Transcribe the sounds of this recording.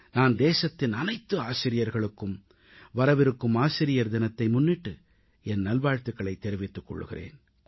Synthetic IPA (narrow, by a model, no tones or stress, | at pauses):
naːnd̪eːsɐt̪ːɪnɐnɐɪt̪ːɯaːsɪɾɪjɐɾɣɐɭɯkːɯm | ʋɐɾɐʋɪɾɯkːɯmaːsɪɾɪjɐɾd̪ɪnɐt̪ːɐɪmʊnːɪʈːɯ | ɛnnɐlʋaːɻt̪ːɯkːɐɭɐɪt̪ːɛɾɪʋɪt̪ːɯkːɔ̰ɭːɯ̰ɣɪ̰rḛːn